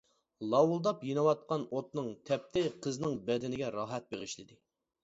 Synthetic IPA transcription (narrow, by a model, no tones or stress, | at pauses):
lˠɑwulˠd̪ɑpjenɨwɑt̪̚qɑnot̪nɨŋt̪ʰɛp̚t̪ʰɪqʰəznɪŋbɛd̪ɪnɪɡʲɛɾɑɦɛt̪̚beʁɨʃlɪd̪ɪ